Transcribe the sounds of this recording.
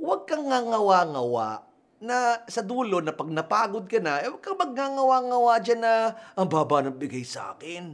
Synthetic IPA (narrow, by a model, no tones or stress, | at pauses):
wɐɡ̚kɐŋːaŋɐwaŋɐwa̰ʔ | nɐsɐd̪uːlonɐpɐɡ̚nɐpaːɡod̪̚kɐnaʔɐjwɐɡ̚kɐŋmɐɡ̚ŋaŋɐwaŋɐwad͡ʒanɐʔɐŋbaːbaʔnɐŋbɪɡajsɐʔa̰ːkɪn